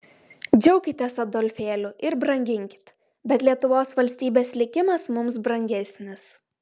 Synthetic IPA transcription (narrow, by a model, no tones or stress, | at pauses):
d͡ʒʲɛʊkʲɪt̪ʲɛsɐd̪ɔlʲfʲeːlʲʊʔɪɾbɾɐŋʲɡʲɪŋʲkʲɪ̥t̪ | bʲɛt̪lʲiɛt̪ʊʋoːsʋɐlʲsʲt̪ʲiːbʲeːslʲɪkʲɪmɐsmʊmsbɾɐŋʲɡʲɛsʲnʲɪs